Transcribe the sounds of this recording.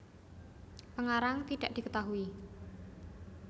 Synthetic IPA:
pəŋaɾaŋt̪iɖ̥aʔd̥ikət̪aɦui

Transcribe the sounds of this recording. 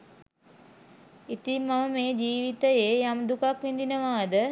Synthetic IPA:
it̪imːaməmeːd͡ʒiːʋit̪əjeːjamd̪ukakʋind̪inəʋaːd̪ə

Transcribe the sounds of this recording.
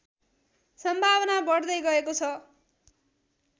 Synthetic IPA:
sʌmbʱaβʌnabʌɽd̪ʌjɡʌekot͡sʰʌ

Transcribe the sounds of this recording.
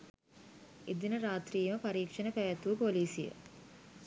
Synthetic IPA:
ed̪inəɾaːt̪riːjməpaɾiːkʂənəpæʋæt̪uʋəpoliːsijə̰

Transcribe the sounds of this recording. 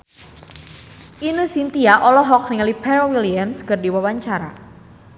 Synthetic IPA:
ʔinəsint̪iaʔɔlɔɦɔk̚niŋalipɛɾowiliamskərdiwawaɲt͡ʃaɾa̰

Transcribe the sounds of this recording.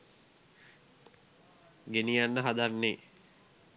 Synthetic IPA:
ɡenijanːəɦad̪anːe

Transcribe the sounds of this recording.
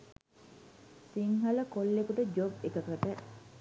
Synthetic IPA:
siŋɦɐləkolːekuʈəd͡ʒobekəkɐʈə

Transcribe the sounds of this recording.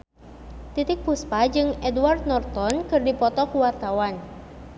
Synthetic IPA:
t̪it̪ɪk̚puspad͡ʒɨŋɛduward̪̚nɔrt̪ɔnkɨrdipɔt̪ɔkuwart̪awan

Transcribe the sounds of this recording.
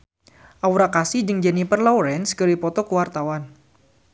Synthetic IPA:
ʔawuɾakasid͡ʒɨŋd͡ʒɛnipərlɔwɾɛnskəɾipɔt̪ɔkəwart̪awan

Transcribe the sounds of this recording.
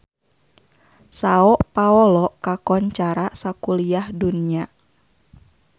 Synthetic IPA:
saɔʔpaɔlɔkakɔɲt͡ʃaɾasakuliahdunia

